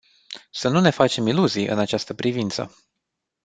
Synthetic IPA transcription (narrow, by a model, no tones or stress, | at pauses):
sənune̞fat͡ʃe̞miluzijʔɨ̰nat͡ʃast̪əpɾivint̪sə̰